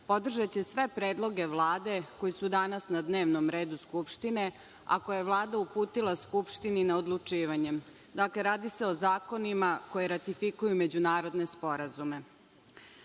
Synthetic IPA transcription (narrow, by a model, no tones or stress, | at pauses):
po̞d̪r̩ʒat͡ɕe̞sʋe̞pɾeːd̪lˠo̞ɡe̞ʋlˠaːd̪e̞ko̞jisud̪anasnad̪ne̞ːʋnomɾe̞ːd̪uskupʃt̪ine̞ | a̰kojeʋlˠaːd̪aupuːt̪ilˠaskupʂt̪ininaod̪lˠut͡ʂiːʋaɲe | d̪akle̞ɾaːd̪iseo̞zaːkonimako̞jiɾat̪ifikujume̞d͡ʑunaːɾo̞d̪nespo̞ɾazume̞